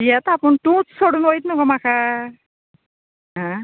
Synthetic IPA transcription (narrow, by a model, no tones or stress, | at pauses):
jet̪apəɳt̪ũt͡ssoɽuːnojt̪nukomakʰa | ɦã